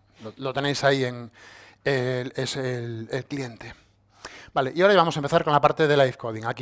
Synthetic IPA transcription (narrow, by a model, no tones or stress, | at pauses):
lolo̞t̪e̞ne̞jsaieŋ | eleselelklie̞nt̪e̞ | baleʔiaoɾaβamos̬aempeθaɾko̞nlapaɾt̪e̞ð̞elajfkoðiŋak